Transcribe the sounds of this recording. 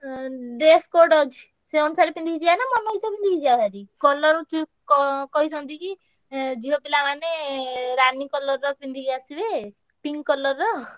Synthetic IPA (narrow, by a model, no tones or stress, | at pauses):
ɖeskoɾɖɔd͡ʒi | seɔnusaɾepind̪ʱikid͡ʒianamɔnɔit͡ʃʰɔpind̪ʱikid͡ʒiaɦaɾikɔlɔɾut͡ʃkɔkɔɦisɔnt̪iki | d͡ʒiɦopilamaneɾanikɔlɔɾːɔpind̪ʱikiasibe | piŋkɔlɔɾːɔ